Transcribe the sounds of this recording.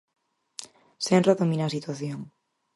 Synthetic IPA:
senraðomĩnaːsit̪waθjoŋ

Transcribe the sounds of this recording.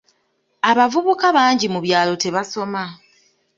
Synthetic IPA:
aβavuβukaβaːɲɟimuβjaːlo̞te̞βaso̞ma

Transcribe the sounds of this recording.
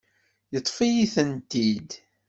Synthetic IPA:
jət̪ˤːfijiθənt̪id̪

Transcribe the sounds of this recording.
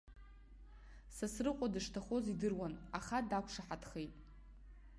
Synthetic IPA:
sasrɨqʷʼadɨʂtʰaχo̞zidɨrwanaχadakʷʰʂaħatχe̞jtʼ

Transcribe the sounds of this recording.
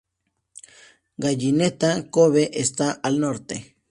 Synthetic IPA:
ɡaʎinet̪akoβeʔest̪aʔalnoɾt̪ḛ

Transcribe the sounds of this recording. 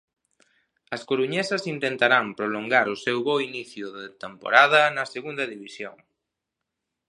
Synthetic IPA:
ɐskoɾuɲesɐsint̪ent̪aɾampɾoloŋɡaɾʊsewβoiniθjʊðet̪empo̰ɾað̞ɐnɐseɣund̪ɐðiβisjo̰ŋ

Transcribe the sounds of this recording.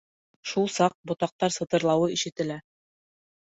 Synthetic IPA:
ʃulˠsɑq̚bŏt̪ɑq̚t̪ɑɾsɤ̆t̪ɤ̆ɾlˠɑwɤiʃɘ̆t̪ɘ̆læ

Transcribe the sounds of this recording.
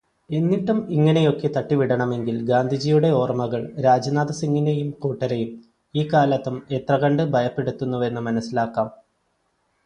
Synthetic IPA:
e̞nːiʈːumiŋːɐɳe̞jo̞kːe̞t̪ɐʈːiʋiɽɐɳɐme̞ŋɡilɡaːnd̪ʱid͡ʑijuɽe̞o̞ːrmɐɣɐɭɾaːd͡ʑɐnaːd̪ɐsiŋːinejumkuːʈːɐɾejum | iːkaːlɐt̪ːume̞t̪rɐɣɐɳɖɨbʱɐjɐpːe̞ɽut̪ːunːuʋe̞nːɨmɐnɐsːilaːkːaːm

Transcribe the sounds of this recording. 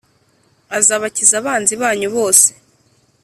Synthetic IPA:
azaβacizaβaːnziβaːɲuβo̞ːse̥

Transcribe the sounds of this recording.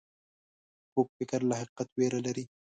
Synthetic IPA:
kok̚fɪkɾlaɦɪqːat̪weɾalaɾi

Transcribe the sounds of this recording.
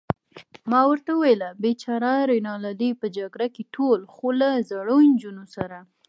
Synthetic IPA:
mɑwəɾt̪awuwelabet͡ʃɑɾɑɾenɑlalipəd͡ʒaɡɾakeʈʰolxolazaɽond͡ʒunosaɾa

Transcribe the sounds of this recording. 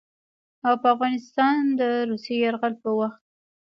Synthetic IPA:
awpəafɣɑnɪst̪ɑnd̪əɾusejaɾɣalpəwaxt̪̚

